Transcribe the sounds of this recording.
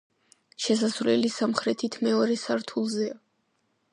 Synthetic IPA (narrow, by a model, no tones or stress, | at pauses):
ʃɛsasvlɛ̰lisamχɾɛt̪ʰit̪ʰmɛɔɾɛsaɾt̪ʰulˠzɛa